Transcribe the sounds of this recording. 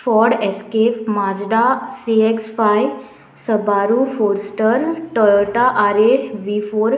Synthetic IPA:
fɔɾɖɛskepmãd͡zɖasieksfaj | səbaɾufoɾsʈəɾʈəɭʈaʔaɾeʋifoːɾ

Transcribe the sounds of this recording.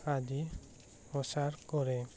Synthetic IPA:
adi | ɔsaɾkɔɾɛ

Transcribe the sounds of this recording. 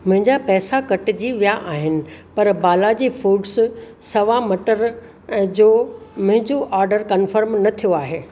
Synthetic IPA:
mʊ̃ɦɪ̃ɲd͡ʑapɛːsakɐʈd͡ʑiːʋijaʔaːɦɪnɪ̆pɐɾbaːlad͡ʑiːfuːɖssɐʋamɐʈəɾ̃ | d͡ʑoːmʊ̃ɦɪ̃ɲd͡ʑoʔaːɾɖəɾkɐnfəɾmnɐt̪ʰijoaːɦeː

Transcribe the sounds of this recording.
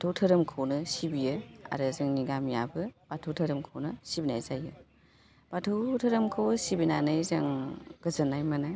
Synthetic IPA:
batʰowtʰɐɾɯmkʰɯwnɯsibijɯa̰ɾɯzɯŋniɡamjabɯb̥atʰɯwtʰɐɾɯmkʰownɯsibinajzajɯ | b̥atʰɯwtʰɐɾɯmkʰɯwsibinanɯjzaŋɡ̥ɯzɯnajmana

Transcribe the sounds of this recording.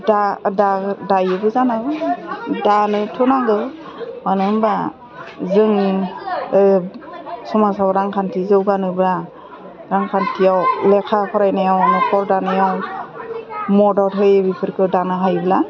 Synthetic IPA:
dadadajɯbɯzanaɡɯdanɯtʰɔnaɡɯ | manɯŋba | zɯŋ | sɔmasabɾaŋkʰantʰizɯwɡanɯbɯla | ɾaŋkʰantʰijawlekʰakʰɔɾajnajawanɯkʰɔɾdanɯjaw | mɔdɔtɦɯjbipʰɯɾkʰɯdanɯɦajbla

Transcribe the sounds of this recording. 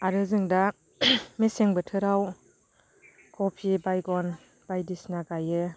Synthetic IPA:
aɾɯzɯŋda | meseŋbɯtʰɯɾaw | kʰɔpʰibajɡɔn | b̥ajdisnaɡajɯ

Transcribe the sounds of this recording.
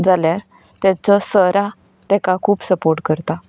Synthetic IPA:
d͡zaljaɾ | t̪jat͡sɔsəɾa | t̪ɛkakʰuːpsəpoɾʈkəɾt̪a

